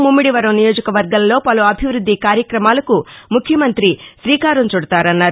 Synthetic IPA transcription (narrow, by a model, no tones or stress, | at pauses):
mumːiɽiʋɐɾɐmnijoːd͡ʒɐkɐʋɐɾɡɐllo̞ːpɐluɐbʱiʋɾud̪ʱːikaːɾjɐkɾɐmaːlɐkumukʰjɐmɐnt̪ɾiʃɾiːkaːɾɐmt͡ʃuɽɐt̪aːɾɐnːaːɾu